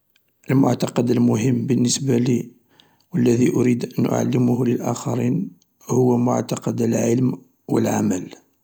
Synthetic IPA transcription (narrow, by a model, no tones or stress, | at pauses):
ʔəlmʊ̰ʕt̪ɑqɑd̪əlmʊɦəmːbənːəsbali | wəlːæðiʔʊɾid̪ʔənʔʊ̰ʕa̰lːɪmʊhləlʔæ̰xɑɾin | hʊwːæmʊ̰ʕt̪ɑqɑd̪əlʕəlm | wə̰lʕa̰məl